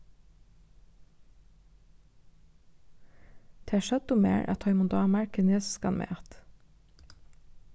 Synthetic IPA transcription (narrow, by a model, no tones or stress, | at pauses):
d̪̥ʰeæʃɛd̪ʊmḛːɹʔæ̰t̪ʰɑʏmʊd̪ɑːmæɹkʰənesskɑ̰nmʔḛːɑt̪